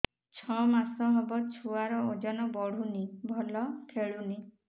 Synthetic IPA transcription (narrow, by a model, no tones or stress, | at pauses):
t͡ʃʰɔmasɔɦebɔt͡ʃʰuaɾɔod͡ʒɔnɔbɔɽ̤unibʱɔlɔkʰeɭuni